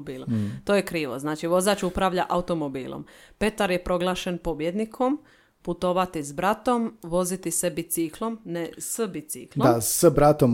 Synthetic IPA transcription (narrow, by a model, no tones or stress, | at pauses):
biːlomt̪oːjekɾiːʋo̰znaːt͡ʃiʋo̞zaːt͡ʃupɾaʋʎa̰ʔaut̪o̞mo̞bḭːlˠo̰mpe̞t̪aɾjepɾo̞ɡlˠaːʃe̞npo̞bje̞d̪nikʰo̞m | put̪o̞ʋat̪izbɾat̪o̞mʋo̞zit̪isebit̪siklˠo̞mnesəbit̪sḭkldoasəbɾat̪om